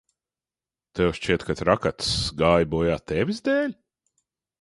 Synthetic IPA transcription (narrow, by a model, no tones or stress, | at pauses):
t̪ɛwʃt͡ʃiɛt̪kat̪ɾakat̪sɡaːjbɔːjaːt̪ɛvʲizd̪ɛːlʲ